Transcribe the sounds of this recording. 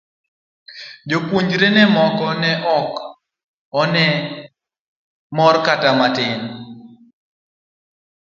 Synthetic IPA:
d͡ʒokwuɲd͡ʒɾenɛmɔkɔnɛʔɔk | ɔnɛ | mɔrkatamatɪn

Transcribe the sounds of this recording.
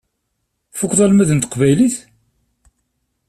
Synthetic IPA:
fʊkʷːðˤɑlmæðənt̪ə̥qvæjliθ

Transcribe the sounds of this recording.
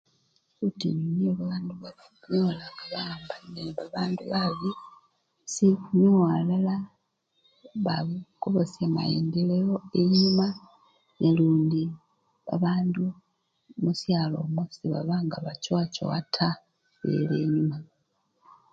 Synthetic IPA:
utḭnineβaβaːnduβaβikuɲolaŋɡaβambaneβaβaːnduβaβi | sikuɲualala | βaβikoβosema̰jḛːndelejoeɲuma | neluːndi | βa̰βaːndu | musjalo̞ːmwusiβa̰βaŋɡaβacwaːco̰wa̰tʰa | βḛleːɲuma

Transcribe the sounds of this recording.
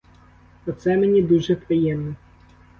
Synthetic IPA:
pɔt̪sɛmenʲid̪uʒɛpɾɪjɛmnɔ

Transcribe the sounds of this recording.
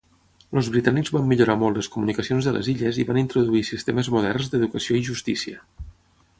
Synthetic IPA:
lozβɾit̪aniɡzβamːiʎuɾamɔltːləskumunikəsionzðə̰lʔə̰ziʎəziβanint̪ɾuðuisist̪eməzmuð̞ɛrnzd̪əðukəsioiʒust̪isiə

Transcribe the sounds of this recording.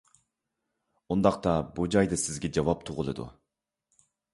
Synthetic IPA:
und̪ɑq̚t̪ɑbud͡ʒɑjd̪ɨsɪzɡʲɛd͡ʒɑwɑp̚t̪ʰʊʁʊlˠɨ̰d̪ṵ

